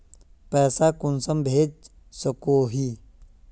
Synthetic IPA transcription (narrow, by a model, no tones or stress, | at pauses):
pɛːsakʊnsəmbʱeːd͡ʒ | səkoːɦiː